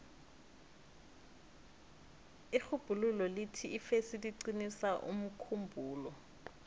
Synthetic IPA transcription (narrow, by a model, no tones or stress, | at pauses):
ixub̥ʱululɔlitʰiːfesiliǀinisaʔṵm̩kʰumbʱuːlɔ